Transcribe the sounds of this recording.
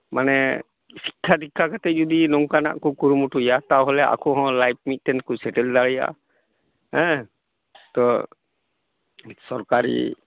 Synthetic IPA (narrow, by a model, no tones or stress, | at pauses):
manɛ | si̥kʰːad̪ikʰːakat̪ɛd͡ʒɔd̪inɔŋkana̰ʔkɔkuɾumuʈujat̪awɦɔlɛʔa̰kɔɦɔ̃lajp̚mit̪̚t̪ɛnkɔsɛʈɛld̪aɭɛja̰ | hɛ̃ | t̪ɔ | sɔɾkaɾḭ